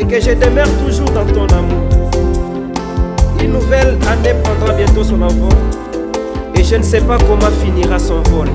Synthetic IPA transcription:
ekəʒəd̪emœʁt̪uʒuʁd̪ɑ̃t̪ɔ̃namuʁ | ynnːuvɛlanepχɑ̃d̪ʁabjɛ̃t̪osɔ̃navɔ | eʒənəsɛpakɔmɑ̃finiʁasɔ̃vɔl

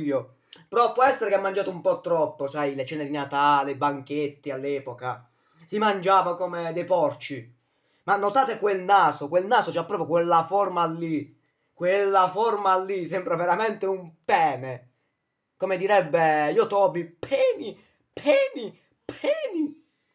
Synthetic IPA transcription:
ʎːo | peɾɔpːwɔɛsːeɾekamːand͡ʒaːt̪ʊumpɔt̪ːɾɔpːosajlet͡ʃɛːned̪inat̪aːlebaŋk̟et̪ːialːɛːpoka | simand͡ʒaːvakomed̪ɛjpɔrt͡ʃi | manːot̪aːt̪ekwelnaːsokwelnaːsot͡ʃapːɾɔːpɾjokwelːaformalːi | kwelːaformalːisɛmbɾaveɾamɛnt̪eumpɛːme | komed̪iɾɛbːejot̪ɔːbipʰɛːmi | pʰɛːmi | pʰɛːmi

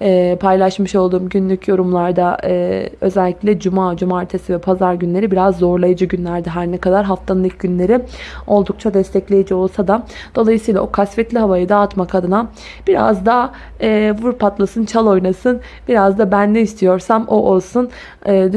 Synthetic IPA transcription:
ɛːpʰajlˠaʃmɯʃo̞lˠd̪uːmɟynlʲycʰjo̞ɾumlˠaɾd̪aɯø̞̰zɛlʲːiclʲɛd͡ʒumaːd͡ʒumaːɾt̪ʰesivɛpʰazaɾɟynlʲe̞ɾibiɾazːo̞ɾlˠajad͡ʒɯɟynlʲæɾd̪ɛɦaɾnɛkad̪aɾɦaft̪ʰanɯlˠɯk̚ɟynlʲe̞ɾɪo̞lˠd̪uk̚t͡ʃʰad̪ɛst̪ʰɛclʲe̞jid͡ʒio̞lˠsad̪a | d̪̥o̞lˠajɯsɯːjlˠa̰o̞kʰasfɛt̪lʲiɦavajɯd̪aːt̪makʰad̪ɯna | b̥iɾa̰zd̪aː | vuɾpʰat̪lˠasɯnt͡ʃʰalˠo̞jnasɯn | biɾazd̪abænːɛist̪ʰijo̞ɾsamoʔolˠsun | ɯːd̪

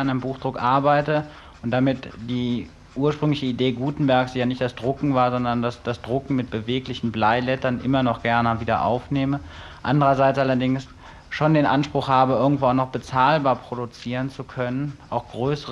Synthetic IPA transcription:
anaɪnəmbuːxd̥ʁʊkʔaɐbaɪtə | ʔʊnt̚d̥amɪtd̥iː | ʔuːɐʃpʁ̥ʏŋlɪçəideːɡuːtn̩bɛɐksjaːnɪçtd̥asd̥ʁʊkŋ̩vaːɐzɔndɐndasd̥asd̥ʁʊkŋ̩mɪt̚b̥əveːklɪçn̩blaɪlɛtɐnʔɪmɐnɔχɡ̥ɛɐnəviːdɐ̰ʔa̰ʊfneːmə | ʔa̰ndəʁɐzaɪt͡sʔalɐdɪŋs | ʃoːndeːnʔanʃpʁ̥ʊxhaːbəʔɪɐɡŋ̩tv̥oːaʊxnɔχb̥ət͡saːlbaːɐpʁ̥odut͡siːʁənt͡sukʰœnənʔaʊxɡ̥ʁøːsəʁ

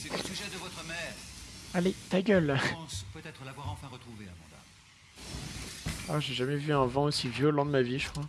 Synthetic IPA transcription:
sɛsyʒɛd̪əvɔt̪χəmɛːʁalet̪aɡʲœl̃spət̪ɛt̪χəlavwaʁɑ̃fɛ̃ʁət̪χuvea̰mɔ̃d̪a̰m | aʒeʒamɛvyɛ̃vɑ̃osivjɔlɑ̃d̪əmaviʒəkχwa

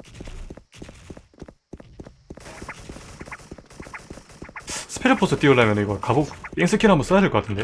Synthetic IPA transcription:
sʰɯ̥pʰiɾɯpʰosʰɯt͈ioɭːamjeniɡʌkabok̚iŋsʰɯkʰinɦambuns͈ajad͡ʑekʌk͈atʰɯnd̪e̞o

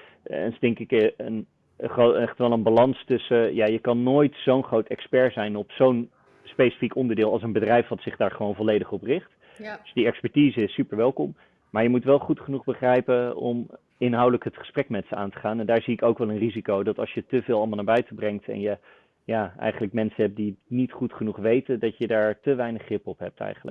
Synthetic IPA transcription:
ɛ̰nsdɛŋkɪkən | χoɛχtʋɛlˠənbalɑnstɵsəjaːjəkɑnːoːjtsownχrowtɛkspɛɹzɛjnɔpsown | spejsi̥fikɔndəɹdɪːlˠɑlˠs̬ənbədrɛjfʋɑtsɪχdaːɹχəʋownvɔlejdəχɔprɪχt | d̥ɵsdiɛkspɛɹtiːzəɪsːypəɹʋɛlˠkɔm | maːɹjəmutʋɛlˠχutχənuχbəχrɛjpəɔ̰m | ɪnɦɑwdələkɦətχə̥sprɛkmɛtsəa̰ːntə̥χaːnɛndaːɹziɪkowkʋɛlˠənrizikowdɑtɑlˠʃjətəvɪːlˠɑlˠmlˠnaɹbœɥtəbrɛŋktɛ̰njə | jaːɛ̰jχənləkmɛnsənɦɛp̚dinitχutχənuχʋejtəndɑtjədaːɹtəʋɛjnəχrɪpɔpɦɛ̰p̚tʰɛ̰jχənlə̰k̚

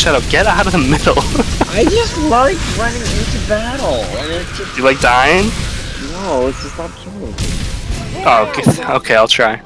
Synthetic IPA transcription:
ʃaɾoʊɡ̥ɛɾaʊɾʌðəmɪɾl̩ˠʔaɪd͡ʒʌstˡlaɪkɹʌ̃nɪ̃ŋɪ̃ntʉbæɾl̩ˠə̃nɪsd̥ʒ̥ʌsd̥ɨlaɪk̚d̥aɪɪ̃nnoʊɪtsd̥ʒ̥ʌstab̚sʰ | oʊɡɨoʊkʰeɪaɪlˠtʰɹ̥aɪ

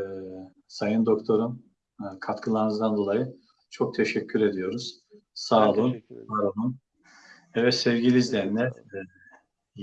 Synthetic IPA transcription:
sajɯnd̪o̞kt̪ʰo̞ɾum | kʰat̪kʰɯlˠaɾɯnɯzd̪and̪o̞lˠajɯ | t͡ʃʰo̞k̚t̪ʰɛʃɛcʲʰːyɾe̞d̪ijo̞ɾuz̥ | saːlˠunbaɾonun | ɛvɛt̪sɛvɟilʲizlʲejnlʲɛ

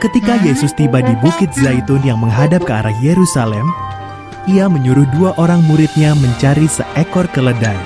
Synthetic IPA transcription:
kət̪ikajesʊst̪ibadibukɪt̪̚zajt̪ʊnjaŋməŋɦadap̚kəaɾahjeɾusalɛm | ʔiaməɲuɾʊhduaʔoɾaŋmuɾɪt̪̚ɲaməɲt͡ʃaɾisə̰ʔɛkɔrkələdaj

